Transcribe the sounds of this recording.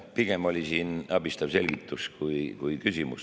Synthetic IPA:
piɡ̥e̞mo̞lʲisiːnɑb̥ist̪ɑvse̞lɡ̥it̪ːˑuskujkujkysimṵs

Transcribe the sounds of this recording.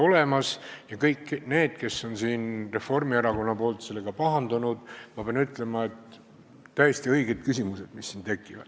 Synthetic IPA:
o̞le̞mɑsjɑkɤjkːne̞ːd̪̥̚ke̞sːo̞nsiːnre̞fo̞rmieɾɑko̞nːɑpoːlt̪se̞lːe̞ɡ̥ɑpɑɦɑnd̪̥unud̪̥mɑpeɑnyt̪ːˑle̞mɑe̞t̪ | t̪æjest̪iɤjɡ̥e̞d̪̥̚kysʲimuse̞d̪̥misːint̪e̞kːˑivɑ̰d̪̥

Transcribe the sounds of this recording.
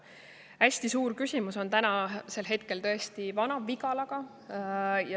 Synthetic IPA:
æsʲt̪isuːɾkysʲimuso̞nt̪ænɑse̞lɦe̞t̪̚ke̞lt̪ɤ̞est̪ivɑnɑviɡ̥ɑlɑɡ̥ɑ | jɑ

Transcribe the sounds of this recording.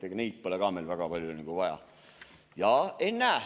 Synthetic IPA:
eɡ̥neit̪̚po̞leɡɑmelvæɡ̥ɑpɑlʲjuniŋɡ̥uvɑjɑ̰ | jɑenːæː

